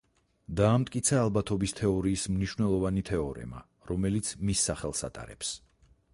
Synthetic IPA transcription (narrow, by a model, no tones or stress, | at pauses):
d̪aːmt̪ʼkʼit̪sʰaːlˠbat̪ʰɔbist̪ʰɛɔɾiːsmniʃwnɛlˠɔvanit̪ʰɛɔɾɛ̰ma̰ | ɾɔmɛlit̪sʰmisːaχɛlˠsa̰t̪ʼa̰ɾɛ̰ps